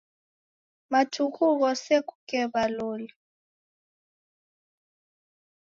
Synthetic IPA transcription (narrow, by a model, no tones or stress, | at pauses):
matʰukʰuk̬ɔsek̬ʼukɛɓaloːli